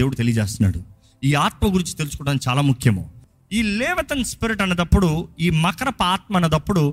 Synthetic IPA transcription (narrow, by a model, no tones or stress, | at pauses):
eːwuɽut̪elijɐd͡ʒeːst̪una̰ːɽu | iːaːt̪̚mɐɡuɾiɲt͡ʃi̥t̪elusu̥kɔɐʈɐnt͡ʃaːlaːmukʰjɐmo̰ː | iːlɛːʋɐt̪ɐnspiɾiʈɐnːɐd̪ɐpːuɽuiːmɐkɐɾɐpaːt̪̚mɐnːɐd̪ɐpːuɽu